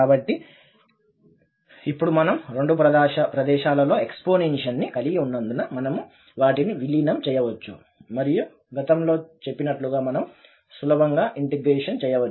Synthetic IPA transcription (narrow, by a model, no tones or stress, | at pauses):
kaːbɐʈːi | ipːuɽumɐnɐmɾe̞ɳɖupɾɐd̪aːʃɐpɾɐd̪ɛːʃaːlɐlo̞ːekspoːneːnʂɐnːikɐliɡiunːɐnd̪unɐmɐnɐmu | ʋaːʈiniʋilinɐmt͡ʃɛːjɐʋɐt͡ʃːṵ | mɐɾiju | ɡɐt̪ɐmlo̞ːt͡ʃe̞pːinɐʈluɡaːmɐnɐm | sulɐbɐŋɡaːʔiɳʈeɡɾeːʂɐnt͡ʃɛːjɐʋɐt͡ʃː